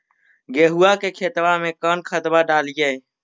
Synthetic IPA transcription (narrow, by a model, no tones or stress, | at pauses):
ɡeːɦuːaːkeːkʰeːt̪ʋaːmẽːkəːnkʰət̪baːɖaːlijəːe